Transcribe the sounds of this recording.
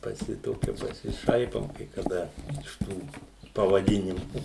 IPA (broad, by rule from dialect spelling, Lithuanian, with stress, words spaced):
pɐˈsʲɪ ˈtoːkʲɛ pɐsʲɪˈʃɐɪpoːm kɐɪ kɐˈdɐ ɪʃ ˈtuː pɐʋɐˈdʲɪnʲɪmʊ